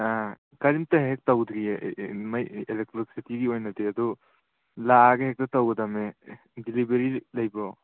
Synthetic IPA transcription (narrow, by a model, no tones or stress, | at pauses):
a | kaɾimtɐɦek̚tawdɾiemajelek̚tɾoksitiɡiojnɐdeɐdu | laɡeɦek̚tɐtawɡɐdame | dilibeɾilɐjbɔ